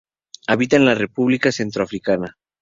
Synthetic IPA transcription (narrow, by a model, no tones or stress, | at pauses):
aβit̪aenlare̞puβlikase̞nt̪ɾoafɾikana